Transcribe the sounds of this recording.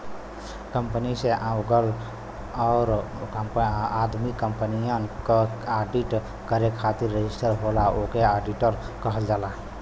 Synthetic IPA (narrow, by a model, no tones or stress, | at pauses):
kəmpəniseʔãwɡəl | ɔːɾmad̪mikəmpənijənkeaɖiʈ | kəɾekʰat̪iɾːed͡ʒisʈəɾɦolaokeaɖiʈəɾ | kəɦəld͡ʒala